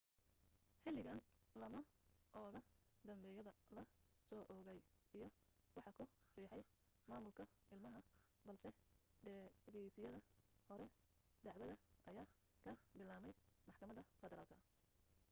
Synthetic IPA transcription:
ħɪlːɪɣɐnlɐmɐʔɔːɣɐ | d̪ɐmbɛːjɐðɐlɐ | sɔːʔɔːɣɛjijɞ | wɑħɑkʰʊriːħɛj | maːmʊlkʰɐʔɪlmɐɦɐ | bɐlsɛɖɛɣɛjsɪjɐðɐhɔɾɛ | d̪ɑʕwɐðɐʔɐjaː | kʰɐbɪlaːmɛjmɑħkʰɐmɐðɐfɛðɛɾaːlkʰɐ

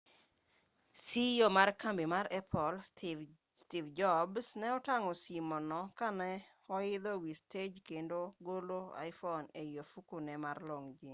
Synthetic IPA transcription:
siomarkambimaɾɛpʰɔl | stivd͡ʒɔbsnɛɔtaŋɔsimɔnɔkanɛ | ɔɪd̪ɔwisted͡ʒkendoɡoloa̰jfɔnejofukunɛmarloŋd͡ʒi

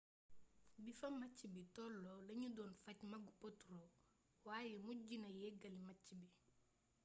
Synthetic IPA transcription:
bifɐmɐt͡ʃːibitɔlːɔlɐɲudɔːnfɐcmɐɡupotuɾɔ | waːjɛmuɟinɐjɛɡɐlimacːibi

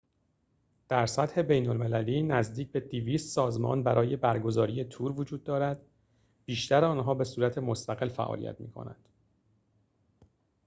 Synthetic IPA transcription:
d̪̥æɾsæt̪he̞be̞jnolme̞læliːnæzd̪iːc̚be̞d̪iviːst̪sɒːzmɒ̰ːnbæɾɒːje̞bæɾɡo̞zɒːɾiːe̞t̪ʰuːɾvod͡ʒuːd̪̚ːɒːɾæd̪̥ | b̥iːʃt̪æɾɒːnɦɒːbe̞suːɾæt̪ʰe̞mo̞st̪æɣe̞lfæ̰ʔɒ̰ːlḭjæ̰t̪mḭːkʰo̰næ̰nd̪̥

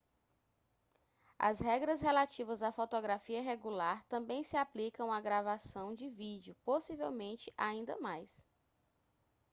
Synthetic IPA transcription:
ɐ̰zɦɛɡɾɐsɦelat͡ʃivɐzafot̪oɡɾafiɐɦeɡulaɾt̪ɐ̃bẽj̃sɪaplikɐ̃w̃aɡɾavasɐ̃w̃d͡ʒɪvid͡ʒiʊposivewmẽnt͡ʃɪʔaĩnd̪ɐ̰majs

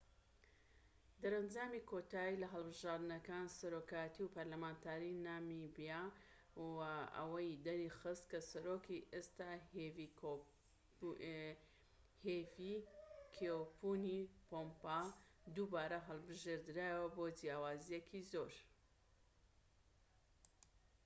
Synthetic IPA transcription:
d̪ɐɾɐnd͡ʒaːmikʰot̪aːjilɐɦɐlˠbɨʒaːɾd̪ɨnɐkaːnsɐɾokajɐt̪iwpɐɾlɐmaːnt̪ʰaːɾinamibija | waʔɐ̰wɐjd̪ɐɾixɨst̪kɐsɐɾoːkiʔest̪aːv | hevikʰeowpunipompad̪ubaːɾɐɦɐlˠbɨʒeɾd̪ɨɾaːjwɐbod͡ʒijaːwaːzijekʰizoɾ

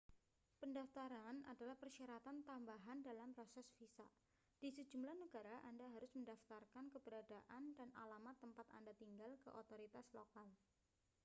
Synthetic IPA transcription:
pəndaft̪aɾana̰dalahpərʃaɾat̪ant̪ambaɦandalampɾosɛsfisa̰ | d̥isəd͡ʒumlahnəɡaɾaʔandaɦaɾʊsməndaft̪arkankəbəɾadaʔandana̰lamat̪ːəmpat̪a̰ndat̪iŋɡalkə̰ʔot̪oɾit̪aslokal

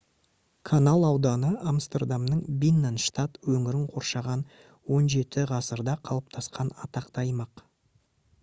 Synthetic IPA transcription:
kʰanalˠɑwd̪ɑnəamst̪erd̪amnəɴbʲinːanʃt̪at̪wɵŋɪɾɪŋqʰo̞ɾʃɑʁɑn | wo̞nʒe̞t̪ɪʁɑsəɾd̪ɑqʰɑlˠəp̚t̪ʰɑsqɑnɑt̪ɑqt̪ɑjmɑq

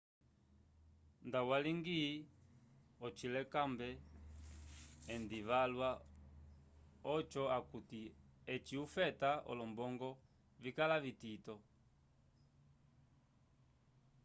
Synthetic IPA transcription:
ndawaliŋɡi | ɔt͡ʃilɛkambɛ | ndivalwa | ɔt͡ʃɔakutiɛt͡ʃiufɛtaɔ̰lɔmbɔŋɡɔ | vikalavititɔ

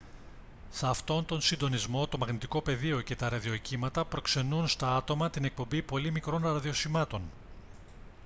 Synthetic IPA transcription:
sɐft̪o̞nt̪o̞nsind̪o̞nizmo̞t̪o̞mɐɣnit̪iko̞pe̞ðio̞ce̞t̪ɐɾɐðio̞cimɐt̪ɐpɾo̞kse̞nunst̪ɐɐt̪o̞mɐt̪ine̞k̚po̞mbipo̞limikɾo̞nɾɐðio̞simɐt̪o̞n

